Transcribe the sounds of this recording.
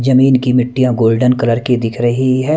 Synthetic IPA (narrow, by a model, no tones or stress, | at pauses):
d͡ʒɐmiːnkimɪʈːijãɡoːlɖənkɐləɾkid̪ɪkʰɾɐɦiɦɛː